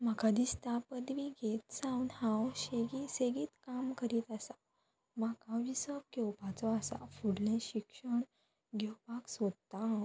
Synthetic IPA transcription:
m̤akʰad̪ist̪apəd̪ʋiɡet̪sãwnhãwɕeɡiseɡiːt̪kamkəɾiːt̪asa | m̤akaʋisəp̚ɡewpat͡sɔasa̰fuɽlẽɕikʂəɳ | ɡʱewpaksəd̪̚t̪aɦãw

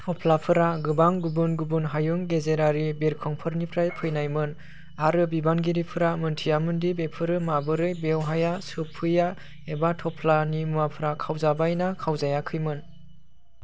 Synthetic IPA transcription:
tʰɔpʰlapʰɯɾaɡɯbaŋɡubunɡubunɦajuŋɡezeɾaɾibeɾkʰɔŋpʰɯɾnipʰɾajpʰɯjnajmɯn | aɾɯbibanɡiɾipʰɯɾamɯntʰijamɯndibepʰɯɾɯmabɯɾɯjbewɦajasɯpʰːɯja | ebatʰɔpʰlanimuwapʰɯɾakʰawzabajnakʰawzajakʰɯjmɯn

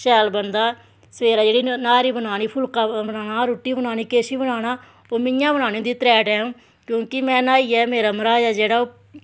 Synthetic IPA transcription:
ʃɛːlbənd̪aː | səʋeːɾaːd͡ʒeːɽiːnaːɾiːbənaːniːpʰʊlkaːbənaːnaːɾoːʈːiːbənaːniːkeːʃiːbənaːñaː | oːmɪjãːbənaːnĩd̪iːt̪ɾɛːʈɛːũː | kjõːkɪmɛ̃ːnaːiːɛːmeːɾaːməɾaːd͡ʒɛːd͡ʒeːɽaːoː

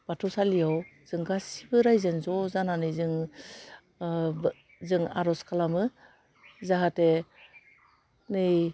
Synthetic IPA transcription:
b̥atʰɔsalijawz̥ɯŋɡasibɯɾajzenzɔzananɯjzɯŋ | zɯŋaɾɔskʰalamɯ | zaɦate | nɯj

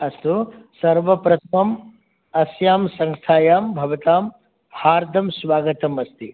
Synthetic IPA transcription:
ɐst̪usɐɾʋɐpɾɐt̪ʰmɐm | ɐsjaːmsɐŋst̪ʰaːjaːmbʱɐʋɐt̪aːm | haːɾd̪ʱɐmsʋaːɡɐt̪ɐmɐst̪i

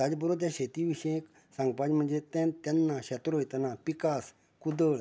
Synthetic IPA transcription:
t̪ad͡ʑbəɾot̪̬jaɕet̪iʋiɕẽk | sãŋɡ̚pad͡ʑm̤əɳd͡zet̪ɛnt̪ɛnːaɕɛt̪ɾoɦjt̪napikas | kud̪əɭ

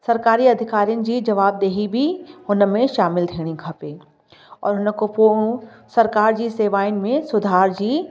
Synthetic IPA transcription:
sɐɾkaːɾiɐd̪ʱɪkaːɾijənd͡ʒiːd͡ʒɐʋaːb̚d̪eːɦibʱihʊnmẽʃaːmɪld̪ʱʰeːɽ̃ĩkʰɐpeː | ɔ̰ːɾɦʊnəkopuːɽ | sɐɾkaːɾd͡ʒiseːʋaːɪnmẽsʊd̪ʱaːɾd͡ʒi

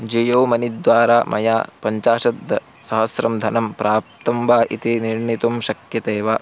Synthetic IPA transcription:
d͡ʒijɐwmɐnid̪ʋaːɾaːmʔɐ̰jaːpɐɲt͡ʃaːʃɐd̪ːɐ | sɐɦɐsɾɐmd̪ʱɐnɐmpɾaːp̚t̪ɐmbaːʔit̪iniɾɳit̪umʃɐkjɐt̪eːʋaː

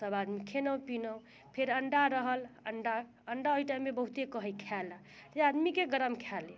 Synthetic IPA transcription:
səbad̪mikʰenəwpinəw | pʰeɾəɳɖaɾəɦələɳɖa | əɳɖaojʈajmːebəɦut̪ekəɦəjkʰɛl | d͡ʒead̪mikeɡəɾəmkʰɛle

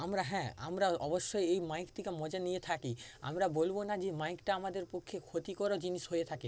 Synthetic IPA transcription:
amɾaɦɛ̃ːa̰mɾaɔboʃːojejmajkt̪ʰikemɔd͡ʑanijet̪ʰakia̰mɾabolbonad͡ʑemajkʈaamad̪eɾpokʰːekʰot̪ikoɾod͡ʑiniʃɦojet̪ʰake

